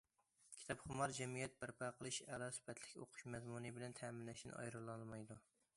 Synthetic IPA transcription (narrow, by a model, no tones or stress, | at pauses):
kʲʰi̥t̪ʰɑpχʊmɑɾd͡ʒɛmijɛt̪̚bæɾpʰɑqʰəlˠɨʃɛlˠɑsy̥pʰɛt̪ʰlɪkʲo̰qʰʊ̥ʃmɛzmunɨbɪlɛnt̪ʰɛmɪnlɛʃɪnɪ̰ʔɑ̰jɾɨlˠɑlˠmɑjd̪u